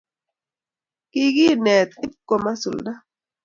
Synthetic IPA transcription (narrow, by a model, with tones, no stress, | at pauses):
kɪ˦ɡi˦nɛ˨t̪ɪ˦p̚ko˨ma˦su˨lda˦